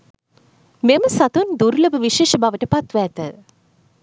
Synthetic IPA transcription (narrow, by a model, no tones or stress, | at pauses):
meməsat̪und̪uɾləbəʋiʃeːʃəbaʋəʈəpat̪ʋæːt̪ə